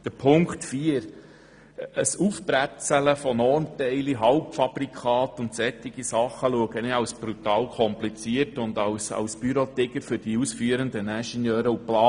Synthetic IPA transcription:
d̥əɾpʰʊŋktfiːəɾ | əsufb̥ɾæt͡sələfɔnɔrntɛɪliɦɑʊpfɑb̥ɾikʰɑːt̪ʊnt̪sɛtːɪɡ̥isɑχːəluəɡənɪɑwsb̥ɾut̪ɑːlkʰɔmplit͡siəɾtʊnd̪ɑwsɑ̰wsb̥yɾot̪ɪɡəɾfʏɾd̥iusfyːəɾənd̪ənæʃənjœːɾəuplɑː

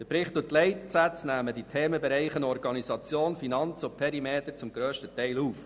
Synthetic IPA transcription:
dəpɾɪχtʊtlɛɪtsæt͡snæːməd̥itʰeːməbɛɾɛɪχənɔɾɡɑnizɑt͡sjoːnfinɑnt͡sopʰɛɾimeːt̪əɾt͡sʊmɡ̥ɾøːʃtətɛɪluːf

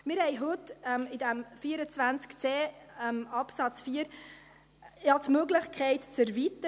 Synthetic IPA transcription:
mɪɾhɛɪɦɵt̪ɛmɪdæmfiːəɾət͡svænt͡skt͡seːmɑpsɑt͡sfiːəɾ | jɑtmøɡlɪχkʰɛɪtt͡səɾvit̪ə

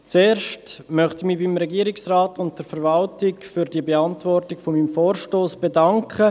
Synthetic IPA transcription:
t͡seːɾʃtmœχtɪmiːbimɾɛɡiːɾɪksraːtʊnt̚d̥ɛɾfɛɾvɑltɪkfyɾdiəbeɑntvɔrtɪɡ̥fomimfoːɾʃtoːsb̥edɑŋkχə

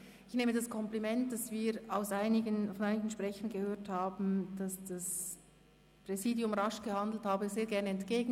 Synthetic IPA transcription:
ɪçneːmədaskʰɔmplimɛnt̚d̥asv̥iːɾaʊsaɪnɪɡənfɔnʔaɪnɪɡn̩ʃpʁ̥ɛçənɡəhøːɐthaːbn̩d̥asd̥as | pʁ̥ɛziːdjʊmʁaʃɡ̥əhandl̩thaːbəzeːɐɡɛɐnəɛntɡ̥eːɡn̩

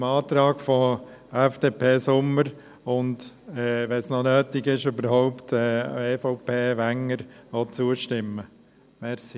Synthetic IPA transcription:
mɑːt̪ɾɑːɡ̥fɔɛfd̥eːpʰeːsʊmːəɾ | ʊndɛːʋɛsnɔnøːtɪɡɪʃøbəɾɦɔʊptɛːeːfɔʊpʰeːʋæŋːəɾʋɔt͡suəʃtɪmːə | mɛɾsi

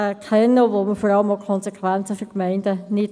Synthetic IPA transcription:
əkʰɛnːəʋoməfɔɾɑləmokʰɔnsekʰʋænt͡səfykmɛɪnd̥ənɪt

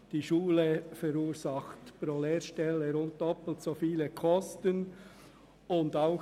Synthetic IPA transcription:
d̥iːʃuːləfɛɾuːɾzɑxtpɾoːleːɾʃtɛləɾʊnt̚d̥ɔpl̩tsofiːləkʰɔstən | ʊndaʊx

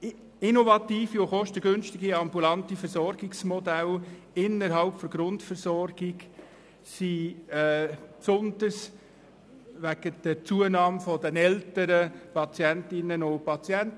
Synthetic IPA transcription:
inovɑt̪iːfiʊχɔʃtəɡønʃtɪɡiɑmbulɑntifəɾsɔrɡɪksmɔd̪æl | ɪnːəɾɦɑlpfɔɾɡ̥ɾʊntfəɾsɔrɡ̥ɪɡ | si | psʊnd̪əɾs | ʋæɡ̥əd̥ət͡suənɑːmfɔdənɛltəɾəpɑt͡sjæntɪnənʊpɑt͡sjænt

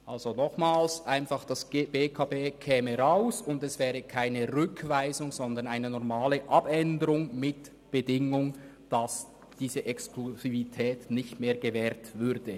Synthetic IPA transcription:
ʔalzonɔχmaːlsʔaɪnfɑχd̥asɡ̥b̥eːkʰaːbeːkʰɛːməʁaʊsʊndɛsv̥ɛːʁəkʰaɪnəʁʏkʰvaɪzʊŋzɔndənaɪnənɔʁmaːləʔabɛndəʁʊŋmɪt | b̥ədɪŋʊŋ | d̥as | d̥iːzəʔɛkskluzivitʰɛːtnɪçtmeːɐʁɡ̥əvɛːɾtvʏɾd̥ə

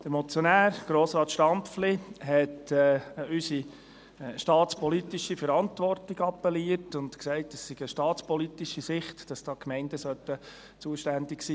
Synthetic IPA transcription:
d̥əɾmɔt͡sjɔnæːɾɡ̥ɾoːsɾɑːtʃtɑmpfliɦɛtː | ysi | ʃtɑːtt͡spɔlitiʃifəɾɑntʋɔrtiɡɑpːɛliərtʊntksɛɪtəsːɪɡ̥əʃtɑːtt͡spɔlit̪iʃisɪχtd̥ɑsd̥ɑːkmɛɪnd̥əsœt̪ːə | t͡suəʃtændɪksiː

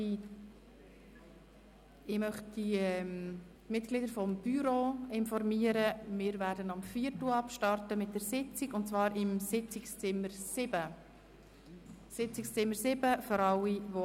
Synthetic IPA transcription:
i | ɪmœχtdiɛm | mɪtɡ̥lɪdəɾfɔmb̥yɾoɪnfɔɾmiəɾəmɪːɾvæɾdənɑmfiːrtl̩ɑpʃtɑrtəmɪt̚d̥ɛɾsɪt͡siɡʊntt͡svɑːɾɪmsɪt͡sɪkst͡sɪmːəɾsɪb̥ə | sɪt͡sɪkst͡sɪmːəɾsɪb̥əfɔɾɑliʋo

